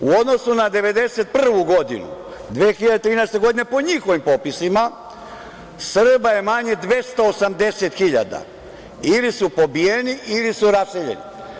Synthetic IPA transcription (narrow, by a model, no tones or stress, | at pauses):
uod̪no̞sunad̪e̞ʋe̞d̪e̞set̪̚pr̩ʋuɡo̞d̪ḭnṵd̪ʋeːxiʎad̪et̪ɾiːnɛjest̪e̞ɡo̞d̪inepo̞ɲixo̞ʋimpo̞pisima | sr̩baje̞maɲe̞d̪ʋe̞st̪oosamd̪e̞set̪xiʎa̰d̪a̰ | ilisupo̞bijeniʔilisuɾasseʎḛnḭ